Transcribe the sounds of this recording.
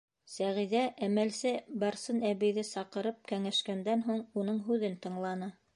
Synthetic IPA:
sæʁiðæʔæmælsɘbɑɾsɤnæβɘ̆jðɘsɑqɤ̆ɾɤp̚kæŋæʃkænd̪ænɦuɴunɤɴɦʉðɘnt̪ɤ̆ɴlˠɑnɤ

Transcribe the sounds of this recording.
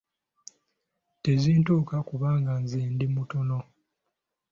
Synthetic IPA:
te̞ziːntuːkakuβaːŋɡanziːndimuto̞no̞

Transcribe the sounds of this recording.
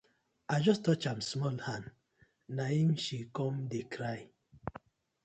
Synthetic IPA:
aɪd͡ʒɔstɔt͡ʃãmsmɔlhãnd | nahĩmʃikɔ̃mdekɾaɪ

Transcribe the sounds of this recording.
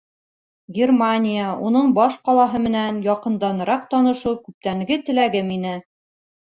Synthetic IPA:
ɡʲermanʲijaun̪ɤɴbɒʃqɒlˠɑɦɤmɘ̆nænjɒqɤ̆nd̪ɑnɤ̆ɾɑq̚t̪ɒnɤ̆ʃɤwkʉp̚t̪æŋɡɘt̪ɘ̆læɡɘminɘ

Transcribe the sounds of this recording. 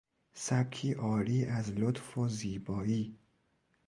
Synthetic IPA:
sæb̚kʰːiːʔɒːɾiːʔæzlot̪foziːbɒːiː

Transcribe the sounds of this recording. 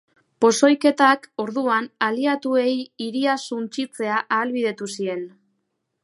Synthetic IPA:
po̞so̞jke̞t̪ako̞ɾðuanaliat̪ue̞jiɾiasunt͡ʃit͡se̞aʔaːlβiðe̞t̪usie̞n

